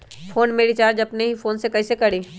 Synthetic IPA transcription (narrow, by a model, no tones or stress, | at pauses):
fʰoːnmeːɽit͡ʃaːɾd͡ʒɐpneɦifʰoːnsekɐːsekɐɽiː